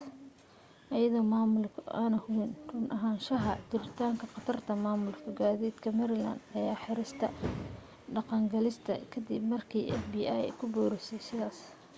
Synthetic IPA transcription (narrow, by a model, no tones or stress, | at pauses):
ʔɐjɐðɔmaːmʊlkʰʊʔaːnɐhundʊnʔɐɦaːnʃɐɦɐd͡ʒɪɾɪt̪ʰaːŋkʰɐqɑt̪ʰɐrt̪ʰɐmaːmʊlkʰʊɡaːðiːd̪kʰɐmɛɾɪla̰nd̪ɐjaːħɪɾɪst̪ʰɐ̰ | ɖɑqɑŋɡɐlɪst̪ʰɐ̰kʰɐd̪ɪbmɐrkʰiːʔɛ̰fbiːʔajɛ̰kʰʊbɔːɾɛsɛjsɪðaːs